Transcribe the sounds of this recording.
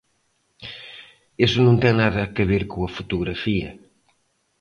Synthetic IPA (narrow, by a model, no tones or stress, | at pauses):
esʊnõnt̪ɛŋnaðɐkeβeɾkoɐfut̪uɣɾɐfiɐ̰